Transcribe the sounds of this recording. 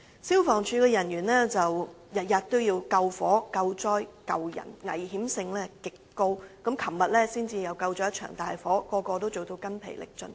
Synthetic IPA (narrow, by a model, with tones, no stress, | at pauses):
siː˥wfɔː˨˩ŋt͡ʃʰyː˧kɛː˧jɐ˨˩njyː˨˩nlɛː˥t͡sɐ˨wjɐ˨t̚jɐ˨t̚t̪o˥wjiː˧wkɐ˧wfɔː˨˥kɐ˧wt͡sɔː˥jkɐ˧wjɐ̰˨˩nŋɐ̰˨˩jɦiː˨˥msɪ˧ŋlɛː˥kɪ˨kːo˥wkɐ˨˥mkʰɐ˨˩mmɐ˨t̚lɛː˥siː˥nt͡siː˧jɐ˨˧wkɐ˧wt͡ʃɔː˧˥jɐ˥t͡ʃʰœ̰ː˨˩ŋt̪aː˨jfɔː˨˥kɔː˧kɔː˧t̪o˥wt͡so˨wt̪o˧wkɐ˥npʰḛ˨˩jlɪ̰˨k̚t͡ʃɵ̰˧n